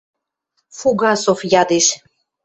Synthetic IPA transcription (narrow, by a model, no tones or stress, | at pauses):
fuɡɑsofjɑd̪iʃ